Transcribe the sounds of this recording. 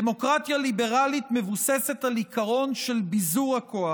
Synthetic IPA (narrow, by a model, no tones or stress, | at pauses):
emo̞kʁat̪jalibe̞ʁalit̪me̞vuse̞se̞t̪alikaʁo̞nʃe̞lbizuʁakʰo̞a